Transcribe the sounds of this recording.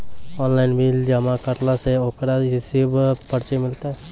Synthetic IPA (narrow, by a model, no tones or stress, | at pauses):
ɔːnlaɪnbʱild͡ʒəmakəɾlaseoːkɾasɪbpəɾt͡ʃemɪlt̪aɛ